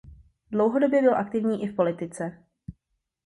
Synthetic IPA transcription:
dlo̞wɦodo̞bjɛbɪlʔakt̪ɪvɲiːʔɪfpo̞lɪt̪ɪt͡sɛ

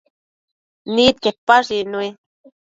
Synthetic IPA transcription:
niːt̪̚ket̪̚paʐinui

